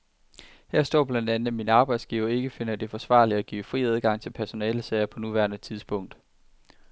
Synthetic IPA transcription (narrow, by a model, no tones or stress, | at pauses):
hæɐ̰sd̥ɒ̰ːb̥lænd̥ænð̩ˠminəɑ̈ːb̥ɑ̈ɪd̥sɡ̥iʊɐe̝ɡ̥əfe̝nɐd̥e̝fɒ̽sʋɑ̰̈ːliæɡ̥ḭːfʁḭːæð̞ˠɡ̥ɑ̈ŋ̰t͡sʰe̝lpʰæɐso̝nɛːləseɐ̰ɐpʰɒnuʋæɐnət͡sʰið̞ˠsb̥ɔ̽ŋ̰d̥